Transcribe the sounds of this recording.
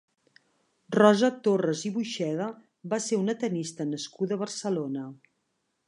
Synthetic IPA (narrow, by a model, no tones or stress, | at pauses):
rɔzət̪orəziβuʃɛðə | baseunət̪ənist̪ənəskuðəβ̞ərsəlonə